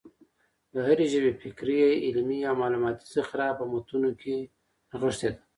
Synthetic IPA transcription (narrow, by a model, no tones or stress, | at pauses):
d̪əɦaɾeʒəbefikɾijaʔɪlmijawmɑːlumɑt̪i̥sixɾɑpəmot̪unokʰe | ɣəʂt̪ed̪a